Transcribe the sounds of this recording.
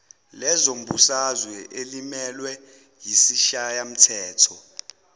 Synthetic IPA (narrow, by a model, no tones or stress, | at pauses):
lɛzom̩ɓusazwɛʔelimɛlwɛ | jisiʃajam̩tʰɛːtʰɔ